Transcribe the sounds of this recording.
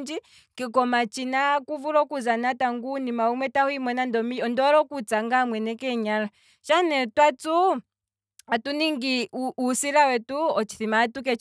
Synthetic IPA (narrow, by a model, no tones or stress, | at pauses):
nd͡ʒi | kɛkɔmat͡ʃinakuvuɾɔkuzanataŋɡunimaumwɛtahuimɛnandɔmiɔndɔɾɔkut͡saŋɡamwɛnɛkɛɲala | ʃanɛtwatu | atuniŋɡiuusiɾawɛtuɔt͡ʃi̥θimatukɛt͡ʃ